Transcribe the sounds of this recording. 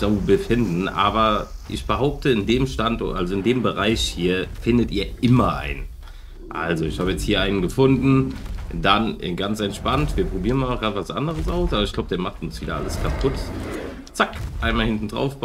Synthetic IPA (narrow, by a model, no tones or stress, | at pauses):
z̥oːbəfɪndn̩ʔa̰ːbɐʔɪ̰çb̥əɦaʊp̚tʰəɪndeːmʃtantʔalzoɪndeːmbəʁaɪçhiːɐfɪndətiːɐʔɪmɐʔa̰ɪnən | ʔa̰lzoɪçhaːbəjɛt͡sthiːɐʔaɪnənɡəfʊndn̩danɪ̰nɡant͡sɛntʃpantv̥iːɐpʁ̥obiːʁənmaːlnɔχɡ̥ʁaːtəvasʔa̰ndəʁ̞əsʔaʊsʔaːbɐɪçɡ̥laʊəd̥eɐmaχtʊnsv̥iːdɐ̰ʔa̰ləskʰapʰʊt | t͡sakʔaɪnmalhɪntn̩dʁa̰ʊfb̥